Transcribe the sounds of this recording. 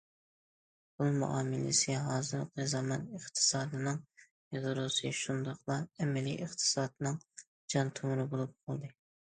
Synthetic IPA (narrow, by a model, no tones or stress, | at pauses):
bʊlˠmṵʔɑːmɪlɪ̰sɪɦɑːzɨɾqʰɨzɑmɑnəχt̪ʰɨ̥sɑːd̪ɨnɨŋ | eʁɨɾusɨʃund̪ɑχlˠɑɛmɛlḭʔəχt̪ʰɨ̥sɑːd̪nɨŋ | d͡ʒɑnt̪ʰomɾɨbolˠup̚qʰɑlˠd̪ɨ